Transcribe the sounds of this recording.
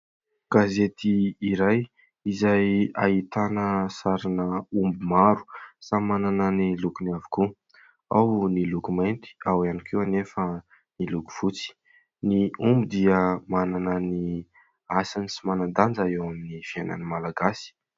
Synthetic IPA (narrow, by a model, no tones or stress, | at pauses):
ɡ̥azet̪iːɾaj | izajait̪anəsaɾanəumbumaɾu̥samanananilukunaviku | a̰wnilukumajnt̪i̥awanikʰeanefə | niluku̥v̥ut͡si̥ | niumbid̪iəmananani | asanisimanand̪and͡zaewaminifiana̰nimalaɡasi̥